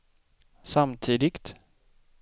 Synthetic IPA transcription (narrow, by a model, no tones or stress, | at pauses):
samt̪ʰiːd̪ɪɡt̪